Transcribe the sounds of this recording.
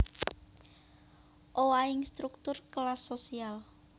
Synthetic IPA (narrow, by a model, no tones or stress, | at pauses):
ʔowaɪŋst̪ɾuk̚t̪ʊrkəlasːosial